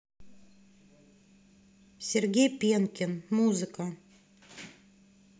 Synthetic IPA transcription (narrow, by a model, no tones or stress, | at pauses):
sʲeɾʲɡʲejpʲenkʲenmuzɨka